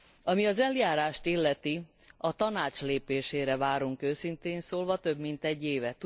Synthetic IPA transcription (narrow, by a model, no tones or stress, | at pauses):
ɒmiɒzɛljaːɾaːʃt̪ilːɛt̪i | ɒt̪ɒnaːt͡ʃleːpeːʃeːɾɛvaːɾuŋkøːsint̪eːnsoːlvɒt̪ø̞bmint̪ɛɟːeːvɛt̪